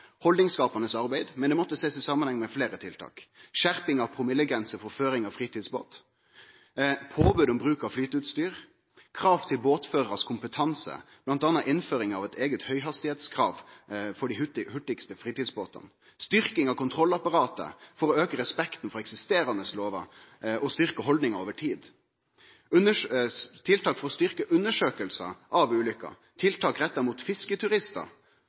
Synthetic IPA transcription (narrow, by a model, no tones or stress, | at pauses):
hɔld̪nɪŋskɑːpɑnəsɑʁbæɪd̪mɛnd̪ɛmɔt̪ːəseːsɪsɑmːənhɛŋːmɛfleːɾət̪ʰɪlt̪ʰɑ̰ːkʃæʁpɪŋɑʋpʰʁʊmɪləɡʁɛnsəfɔɾføːɾɪŋɑʋfʁiːt̪iːd̪sbo̰ːt̪ | pʰoːbøːd̪ɔmbɾʉːkɑʋflyːt̪əʉt̪st̪yːɾ | kʰɾɑːʋt̪ʰɪlboːt̪føːʁəɾɑskʰʊmpət̪ʰɑnsə̰b̥lɑnt̪ɑːnːɑʔɪnføːɾɪŋɑʋɛt̪ʰeːɡət̪hœʏɦɑst̪ɪheːt̪skʰʁɑ̰ːʋfɔɖihʉt̪hʉʈ̪ːɪkst̪əfɾiːt̪iːd̪sboːt̪ə̰n | st̪ʏɾkɪŋɑʋkʊnt̪ʰɾɔlːɑpɑɾɑːt̪ə̰fɔɾɔøːkəɾɛspɛkt̪n̩fɔɾɛksɪst̪eːɾɑnəsloːʋɑ̰ | ʔɔst̪ʏɾkəɦɔld̪nɪŋɑoːʋəʈʰiːd̪ | ʉnət̪ʰɪlt̪ʰɑːkfɔɾɔst̪ʏɾkəʔʉnːəʂøːkəlsə̰ʔɑʋʉːlʏkːɑ̰ | t̪ʰɪlt̪ʰɑːkɾɛt̪ːɑɾmuːt̪fɪskət̪ʰʉɾɪst̪ə̰ɾ